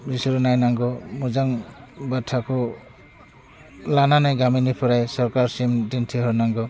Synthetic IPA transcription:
bisɾunajnaŋɡɔmud͡ʒaŋbatʰːakʰɔ | lananajɡaminipʰɔɾajsɔɾkaɾsimdintʰiɦɔɾnaŋɡɔ

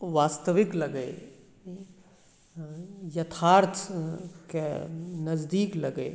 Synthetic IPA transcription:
ʋaːst̪əʋɪklɐɡe | jɐt̪ʰaːɾt̪ʰkenɐzd̪iːklɐɡḛ

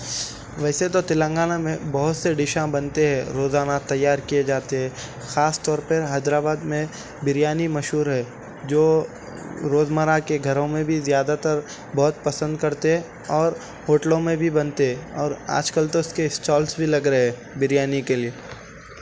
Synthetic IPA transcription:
ʋɛːset̪ot̪ɪlə̃ŋɡaːnamẽbɐɦʊt̪seɖɪʃãbɐnt̪eɦɛ̃ɾoːzaːnat̪ɐjːaːɾkijed͡ʒaːt̪eɦɛ̃ː | xaːst̪ɔːɾpɐɾɦaːd͡ʒɾaːbaːd̪mẽ | bɪɾjaːnimɐʃɦuːɾɦɛː | d͡ʒoː | ɾoːzməɾakeɡʱɐɾõmẽbʱizjaːd̪at̪əɾ | bɔɦʊt̪̚pɐsə̃nd̪kɐɾt̪eɦɛ̃ | ɔːɾ | hoːʈlõmẽbʱibɐnt̪eɦɛ̃ɔːɾa̰ːd͡ʒkəlt̪oʊskeɪsʈɔːlsbʱilɐɡɾəɦɛː | bɪɾjaːnikelieː

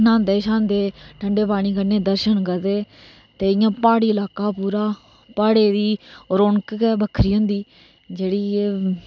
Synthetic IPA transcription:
nãːnd̪eːʃãːnd̪eːʈʰəɳɖeːpaːɽ̃iːkəɾneːd̪əɾʃənɡəd̪eː | t̪eːɪjãːpaːɽiːɪlaːkaːpuːɾaː | paːɽeːd̪iːɾoːɳkːɛbəkʰːɾiːʊ̃ːnd̪iː | d͡ʒeːɽiː

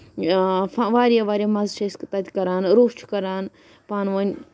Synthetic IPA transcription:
faʋaːɾijaʋaːɾiamɐzt͡ʃɐskt̪ɐt̪ʲkɐɾaːnɾoːst͡ʃʰkɐɾaːn | paːnʋɐn

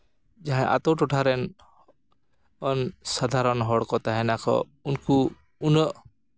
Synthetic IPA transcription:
d͡ʒaɦãʔa̰t̪oʈuʈʰaɾen | ɔnsad̪ʱaɾɔnɦɔɽkɔt̪aɦɛnakʰɔ̰ | ʊnku | un

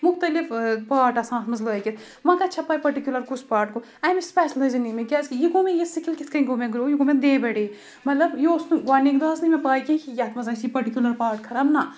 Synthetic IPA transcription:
mʊxt̪ɐlifpaːʈɐsãːt̪ʰmɐzloːjkit̪ʰ | mɐ̃kɐtːt͡ʃʰɐpaːjpɐɾʈikʲjulɐɾkuspaːɾʈ̚ko | ɐmespɛːslɐznimẽɡʲaːzkijiɡoːmejisikʰilkit̪ʰkɐĩɡoːmẽɡɾoːjiɡoːmẽd̪eːbɐɽiː | mɐt̪lɐbjosnuɡaːnikd̪aːsnimẽpaːjkʲikijɐt̪ʰmɐzɐːsipɐɾʈikʲulɐɾpaːɾʈ̚kʰɐɾɐbna

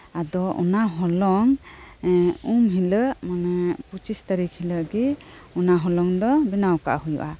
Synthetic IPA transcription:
ad̪ɔʔṵnaɦɔlɔŋ | umɦiləʔmanɛput͡ʃist̪aɾikhiləɡiɔnaɦɔlɔŋd̪ɔbinawka̰ʔhujṵʔa

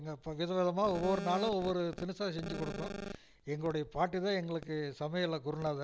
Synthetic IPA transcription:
ŋɡɐpʋɪðɐʋɛðɐmaːɔʋːɔɾɯnaːlʊ̃ɔʋːɔɾɯt̪ɪnɯsaːsɛɲd͡ʒɯkɔɽɯkːõ | ɛŋɡɐɭɯɽɐjɐpaːʈːit̪ãːɛŋɡɐɭɯkːɯsɐmɐjɐɪlːɐkʊɾɯnːaːðɯ

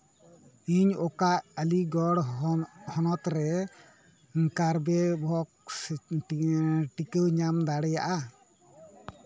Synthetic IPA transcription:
iɲɔkaʔəliɡɔɽhɔnɔt̪ɾɛ | ŋkaɾbɛbʱɔk̚sʈʈikəwɲamd̪aɽɛja̰ʔa

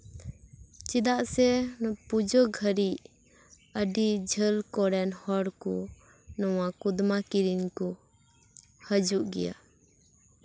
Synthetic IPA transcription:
t͡ʃid̪aʔsɛpud͡ʒɔɡʱəɾiʔ | əɖid͡ʒʱəlkɔɾɛnhɔɽkɔ | nɔwakud̪makiɾinkɔ | həd͡ʒuʔɡɛ̰ja̰

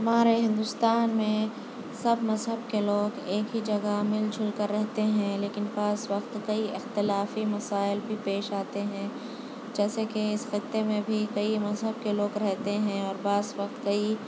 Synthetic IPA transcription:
ɦɐmaːɾeɦɪ̃nd̪ʊst̪aːnmẽ | sɐbmɐzɦəbkeloːɡeːkɦid͡ʒɐɡamɪlt͡ʃʰʊlkɐɾːɛɦt̪eɦɛ̃leːkɪnbaːzwɐqt̪kɐiɪxt̪ɪlaːfimɐsaːɪlbʱipeːʃaːt̪eɦɛ̃ː | d͡ʒɛːsekeɪsxɪt̪ːemẽbʱikɐimɐzɦəb̚keloːɡɾɛɦt̪eɦɛ̃ɔːɾbaːzwɐqt̪kɐi

